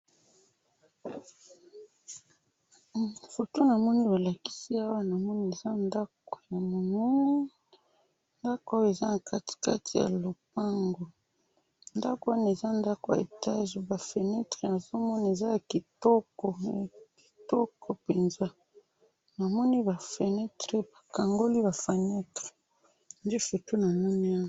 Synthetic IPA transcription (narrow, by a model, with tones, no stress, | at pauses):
fo˨to˦na˨mɔ˦ni˦ba˨la˨ki̥˦si˦a˦wa˦na˨mɔ˦ni˦e˨za˦nda˦ko̥˨ja˨mo˨mu˦n˦ | nda˦ko˨a˦jo˦e˨za˦na˨ka˦ti̥˨ka̰˦ti˨ja̰˨lo˨p̚a˦ŋɡo˨ | nda˦ko˨a˦na˨e˨za˦nda˦ko˨ja̰˨ḛ˨ta˦ʒe˨ba˨fe˨nɛ˦tʁe˦na˨zo˦mɔ˦ni˦e˨za˦ja˨ki˨tɔ˦kɔ˨ki̥˨tɔ˦kʰo˨pe˨nza˦ | na˨mɔ˦ni˦ba˨fe˨nɛ˦tʁe˦ba˨ka˨ŋɡo˦li˦ba˨fe˨nɛ˦tʁe̥˨ | n˦de˦fu˨tu˦na˨mɔ˦ni˦a˦wa